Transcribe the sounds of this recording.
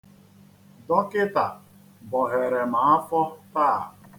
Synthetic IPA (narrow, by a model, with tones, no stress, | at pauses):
dɔ˦kɪ˦ta˨ | bɔ˨ɦe˨ɾe˨ma˨a˦fɔ˦taː˦˨